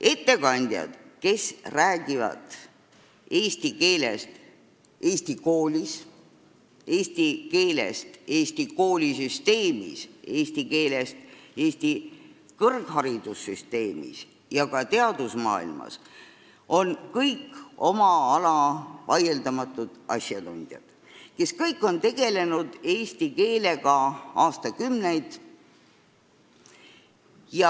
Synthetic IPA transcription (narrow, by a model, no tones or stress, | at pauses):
ʔe̞t̪ːe̞kɑnʲd̪̥ʲjɑ̰d̪̥ke̞sræːɡ̥ivɑ̰t̪ˑ | e̞ːst̪ike̞ːlest̪ | eːst̪iko̞ːlʲis | eːst̪ike̞ːlḛst̪e̞ːst̪iko̞ːlʲisyst̪e̞ːmḭse̞ːst̪ike̞ːlest̪eːst̪i | kɤrɡ̥hɑɾid̪̥usːyst̪e̞ːmḭs | jɑkɑt̪e̞ɑd̪̥usmɑ̰ːḭlmɑ̰s | o̞nkɤjko̞mɑɑlɑvɑjeld̪̥ɑmɑt̪ːˑud̪̥ɑ̰sjɑt̪unʲd̪̥jɑ̰d̪̥ | ke̞skɤjkːˑo̞nt̪e̞ɡ̥e̞le̞nud̪̥e̞ːsʲt̪ike̞ːle̞ɡ̥ɑɑːst̪ɑkymne̞jd̪̥ | jɑ